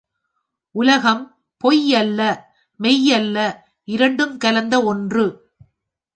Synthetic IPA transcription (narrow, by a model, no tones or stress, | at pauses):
ʔʊlɐɣɐm | pɔjɐlːɐ | mɛjɐlːɐ | ʔɪɾɐɳɖɯmkɐlɐnd̪ɐɔndrɯ